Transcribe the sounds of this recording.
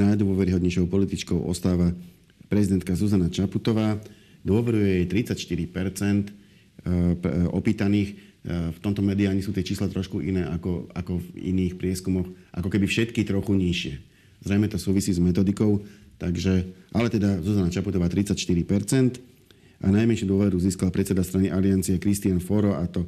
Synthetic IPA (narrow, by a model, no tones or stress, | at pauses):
najd̪ʊɔʋɛɾiɦɔd̪ɲɛjʃɔʊpɔlit̪it͡ʃkɔʊʔɔ̰st̪aːʋa | pɾɛzid̪ɛnt̪kazuzanat͡ʃaput̪ɔʋaː | d̪ʊɔʋɛɾujɛjɛjt̪ɾit͡sacʃt̪iɾipɛɾt͡sɛnt̪ | ʔɔ̰piːt̪aniːxft̪ɔmt̪ɔmɛd̪iaːɲisuːt̪ɪɛt͡ʃiːslat̪ɾɔʃkuʔinɛːʔakɔa̰kɔvḭniːxpɾɪɛskumɔxʔa̰kɔkɛbifʃɛt̪kit̪ɾɔxuɲiʃɪɛ | zɾɛjmɛt̪ɔsuːʋisiːzmɛt̪ɔd̪ikɔʊt̪aɡʒɛʔalɛt̪ɛd̪azɔzanat͡ʃaput̪ɔʋaːt̪ɾit͡sacʃt̪iɾipɛɾt͡sɛnt̪ | ʔa̰najmɛnʃud̪ʊɔʋɛɾuziːskalpɾɛt̪t͡sɛd̪ast̪ɾaniʔaliant͡siɛkɾist̪ianfɔɾɔʔat̪ɔ